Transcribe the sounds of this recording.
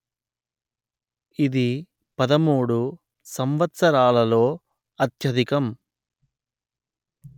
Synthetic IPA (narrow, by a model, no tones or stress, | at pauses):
id̪i | pɐd̪ɐmuːɽu | sɐmʋɐt̪sɐɾaːlɐlo̞ː | ɐt̪jɐd̪ikɐm